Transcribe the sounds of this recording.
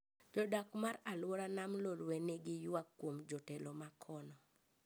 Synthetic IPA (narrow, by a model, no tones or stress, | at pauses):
d͡ʒɔdakmaɾalwɔɾanamlolwɛneɡɪjakːwomd͡ʒɔtɛlomakʰɔnɔ